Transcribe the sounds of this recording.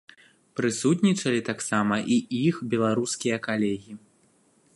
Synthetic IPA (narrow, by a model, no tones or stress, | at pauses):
pɾɨsut̪nʲit͡ʂɐlʲit̪aksamɐʔiixbʲɛlˠaɾuskʲijɐkalʲɛɣʲi